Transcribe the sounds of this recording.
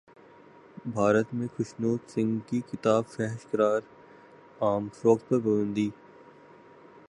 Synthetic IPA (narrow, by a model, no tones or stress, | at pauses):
bʱaːɾət̪mẽkʰʊʃnoːt̪sɪ̃ŋɡkikɪt̪aːbfɛɦʃkəɾaːɾ | aːmsɔkt̪̚pəɾbɐɾʊ̃nd̪iː